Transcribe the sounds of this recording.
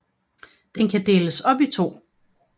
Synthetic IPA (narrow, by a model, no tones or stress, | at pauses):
d̥enkʰæd̥e̝ːləsɒ̽b̥it͡sʰo̝̰ː